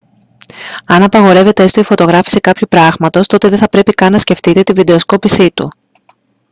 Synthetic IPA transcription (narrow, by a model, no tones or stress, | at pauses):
ɐnɐpɐɣo̞ɾe̞ve̞t̪eest̪oifo̞t̪o̞ɣɾɐfi̥sekɐpçupɾɐɣmɐt̪o̞st̪o̞t̪e̞ðe̞θɐpɾe̞pikɐnːɐsce̞ft̪it̪e̞t̪ivid̪e̞osko̞pisit̪u